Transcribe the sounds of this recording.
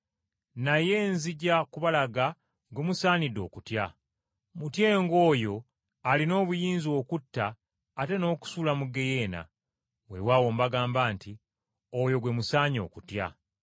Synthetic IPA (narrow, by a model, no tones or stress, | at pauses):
naje̞ːnziɟakuβalaɡa | ɡwemusaːnidːo̞̰ːkutja | mutjeːŋɡo̞ːjo̞ | alino̞ːβujiːnzio̞ːkutːaː | te̞no̞ːku̥sulamuɡe̞je̞ːna̰ | we̞̰wawoːmbaɡaːmbaːnti | ojo̞ɡwe̞musaːɲo̞̰ːkutja̰